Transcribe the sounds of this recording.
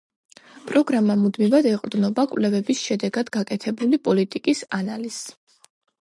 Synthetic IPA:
pʼɾɔɡɾamamud̪mivad̪ɛqʼɾd̪nɔbakʼvlɛvɛbisʃɛd̪ɛɡad̪ɡakʼɛt̪ʰɛbulipʼɔlit̪ʼikʼisanaliz̥

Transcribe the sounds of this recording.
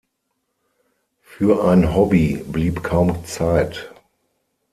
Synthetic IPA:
fyːɐʔãɪ̃nɦɔbibliːpkʰaʊ̃mt͡saɪt

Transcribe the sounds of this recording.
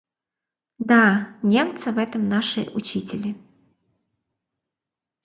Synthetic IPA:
d̪anʲe̞mt̪sɨvɛt̪əmnaʂɨ̰ʔʊt͡ɕitʲɪlʲɪ

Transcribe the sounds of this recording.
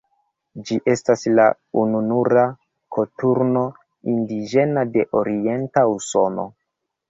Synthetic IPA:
d͡ʒiʔe̞stasla | ununuɾa | kʰo̞tuɾno̞ | indiʒe̞nade̞ʔo̞ɾie̞ntauso̞no̞̰

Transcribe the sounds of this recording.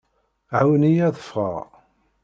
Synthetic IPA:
ʕawnijæðəfʁə̰ʁ

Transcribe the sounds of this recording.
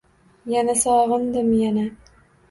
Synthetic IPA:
janasɒʁɨnd̪ɪmjana

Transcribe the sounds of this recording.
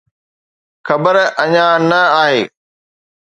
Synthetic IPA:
xɐbəɾɐɲãnɐaːɦeː

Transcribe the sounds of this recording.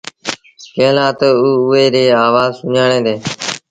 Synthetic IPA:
kẽːlãːt̪ouːʊeːɾeːaːʋaːzsʊɲaːɽẽːd̪eː

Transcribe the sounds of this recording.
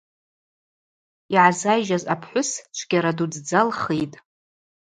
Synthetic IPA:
iʕazajʒazapʰħʷʊst͡ʃʷʰɡ̥ʲaɾadud͡zd͡zalχijtʼ

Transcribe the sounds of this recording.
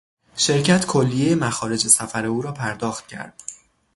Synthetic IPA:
ʃe̞ɾcʰæt̪ʰkʰolːijejemæxɒːɾe̞d͡ʒe̞sæfæɾe̞uːɾɒːpʰæɾd̪ɒːxt̪̚cʰæ̰ɾd̪̥

